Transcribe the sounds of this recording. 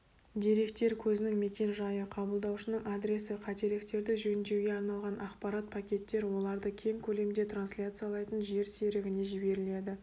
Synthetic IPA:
d̪ʲeɾe̞kt̪e̞ɾkʲʰɵzɪnɪŋme̞kʲe̞nʒɑjəqʰɑbəlˠd̪ɑwʃənəɴʔad̪ɾʲe̞sɪqʰɑt̪e̞ɾlɪkt̪e̞ɾd̪ɪʒɵnd̪e̞wɡʲe̞ɑɾnɑlˠʁɑnʔɑqpɑɾat̪̚pʰakʲe̞t̪ːe̞ɾwo̞lˠɑɾd̪əkʲʰe̞ŋkʲʰɵle̞md̪e̞t̪ʰɾanslʲat̪sɨjalˠɑjt̪ənʒe̞ɾse̞ɾɪɡʲɪne̞ʒɪbe̞ɾɪle̞d̪ɪ

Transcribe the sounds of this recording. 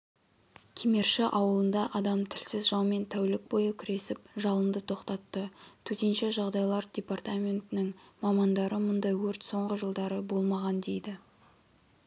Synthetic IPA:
kʲʰeme̞ɾʃɪʔɑwəlˠənd̪ɑʔɑd̪ɑmt̪ʰɪlsɪzʒɑwme̞nt̪ʰæwlɪk̚bo̞jəkʲʰɪɾe̞sɪpʒɑlˠənd̪ət̪ʰo̞qt̪ɑt̪ːət̪ʰɵt̪enʃe̞ʒɑʁd̪ɑjlˠɑɾd̪ʲe̞part̪amʲe̞nt̪ɪnɪŋmɑmɑnd̪ɑɾəmʊnd̪ɑjwɵɾt̪so̞ɴʁəʒəlˠd̪ɑɾəbo̞lˠmɑʁɑnd̪e̞jd̪ɪ

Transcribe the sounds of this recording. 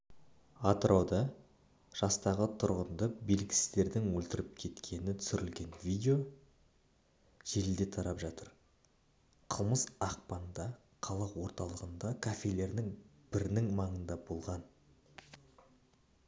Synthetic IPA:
at̪ɾʔowd̪ɑ | ʒ̥ɑst̪ɑʁət̪ʰʊɾʁənd̪əbelɪkʲɪ̥sɪzd̪e̞ɾd̪ɪŋwɵlt̪ɪɾɪp̚kʲʰe̞t̪kʲʰe̞nɪt̪ʰʏ̥sʏɾɪlɡʲe̞nvʲijd̪ʲeo̞ | ʒ̥eɾɪld̪e̞t̪ʰɑɾɑpʒɑt̪əɾ | qʰəlˠməsɑq̚pɑnd̪ɑ | qʰɑlˠɑqwo̞ɾt̪ɑlˠəʁənd̪ɑkʰafʲe̞jle̞ɾnɪŋb̥ɪɾnɪŋmɑɴənd̪ɑbo̞lˠʁɑn

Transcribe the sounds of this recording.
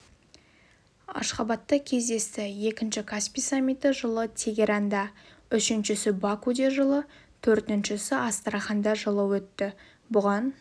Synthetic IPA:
ɑ̰ʃqɑbɑt̪ːəkʲʰe̞zd̪e̞st̪ɪje̞kʲɪnʃɪkʰaspijsamʲːijt̪ɪʒəlˠət̪ʲʰe̞ɡʲe̞ɾɑnd̪ɑʏʃɪnʃɪsɪbakud̪eʒəlˠət̪ʰɵɾt̪ɪnʃɪsɪʔɑst̪əɾɑχɑnd̪ɑʒəlˠəwɵt̪ːɪ | bʊʁɑn

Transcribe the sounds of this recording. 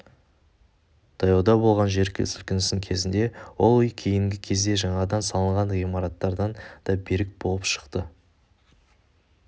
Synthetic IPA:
d̪̥ʰɑjɑd̪ɑbo̞lˠʁɑnʒe̞ɾkʲɪlsʏlkʲɪnɪsɪŋkʲʰe̞zɪnd̪e̞wo̞lˠʏjkʲʰe̞jɪŋɡʲɪkʲʰe̞zd̪e̞ʒɑɴɑd̪ɑnsɑlˠəɴʁɑnʁimɑɾɑt̪ːɑɾd̪ɑnd̪̥ɑbe̞ɾɪk̚bo̞lˠəpʃə̥qt̪ə

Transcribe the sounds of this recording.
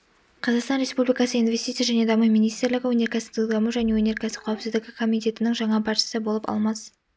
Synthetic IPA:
qʰɑzɑqst̪ɑnɾʲe̞spublijkɑsəinve̞st̪it̪sjaʒæne̞d̪ɑmuminijst̪ɾlɪɡʲɪwɵne̞ɾkʲæsɪd̪ud̪ɑməʒæne̞wɵneɾkʲʰæsɪ̥qʰɑwpsɪzd̪ɪɡʲɪkʰo̞mijt̪e̞t̪ɪnɪŋʒɑɴɑpʰɑɾt̪jsəbo̞lˠəpɑ̰lˠmɑs

